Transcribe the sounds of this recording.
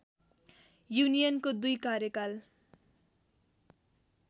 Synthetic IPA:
junijʌnkod̪ujkaɾjʌkal

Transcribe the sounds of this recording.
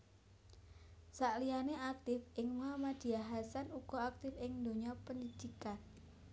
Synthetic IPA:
saʔlijaneak̚t̪ɪfɪŋmamad̪̥i̤aɦasanuɡ̥ɔak̚t̪ɪfɪŋnd̪o̤ɲɔpəndid̪̥ikan

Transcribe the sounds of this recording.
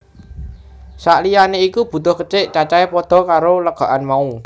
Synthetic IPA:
saʔlijaneikub̥ṳt̪ʊhkət͡ʃɪʔt͡ʃat͡ʃaepɔd̪̥ɔ̤kaɾoləɡ̥a̤ʔanmau

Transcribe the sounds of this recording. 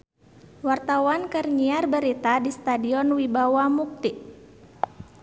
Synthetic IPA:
wart̪awankərɲiarbəɾit̪adist̪adiɔnwibawamuk̚t̪iʔ

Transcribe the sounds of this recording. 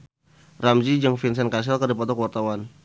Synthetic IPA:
ramd͡ʒid͡ʒəŋfins̬ɛnkas̬ɛlkərdipɔt̪ɔkəwart̪awan

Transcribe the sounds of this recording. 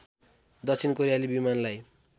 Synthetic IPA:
d̪ʌt͡sʰinkoɾijalibimanlaj

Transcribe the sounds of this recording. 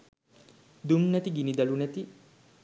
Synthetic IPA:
d̪umnæt̪iɡinid̪ɐlunɛt̪i

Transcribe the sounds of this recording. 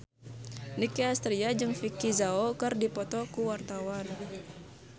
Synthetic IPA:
nikiast̪ɾiad͡ʒɨŋfikizaokɨrdipɔt̪ɔkuwart̪awan

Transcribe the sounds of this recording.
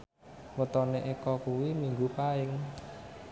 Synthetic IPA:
wət̪ɔneʔekɔkuwimiŋɡupaɪŋ

